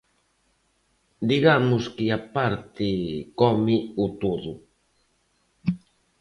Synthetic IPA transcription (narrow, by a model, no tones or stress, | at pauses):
d̪iɣamʊskɪapaɾt̪ɪkɔmɪut̪oðu